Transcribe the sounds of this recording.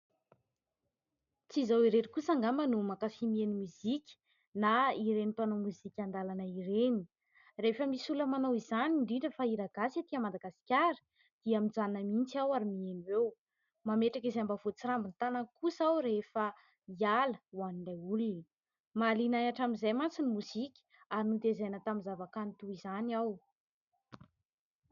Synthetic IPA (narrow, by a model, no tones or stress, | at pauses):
t͡sizawiɾeɾikusaŋɡamənumakafimienimuzikʲə̥ | naiɾenipanomuzikʲand̪alanəireni̥ | refəmisuləmanowizaniɳɖ͡ʐiɳɖ͡ʐəfaiɾaɡasat̪iəmad̪aɡasi̥kʲaɾi̥ | d̪̥iamid͡zanəmint͡siawaɾimieniwew | mameʈ͡ʂakizeambavot͡siɾambinit̪anankusawɾefə | ialəwaniɳɖ͡ʐajuluni | malinajaʈ͡ʂamizajmant͡sinimuzikʲə̥ | aɾinud̪ezajnət̪aminzavakanit̪uizanaw